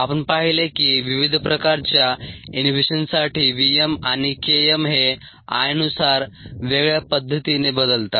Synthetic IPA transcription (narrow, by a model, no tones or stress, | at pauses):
apəɳpaɦilekiʋiʋid̪ʱpɾəkaɾt͡ɕjainʋeɕənsaʈʰiːʋiemaɽ̃ikeemɦe | a̰jənusaɾʋeɡɭjapəd̪ʱːət̪inebəd̪əlt̪a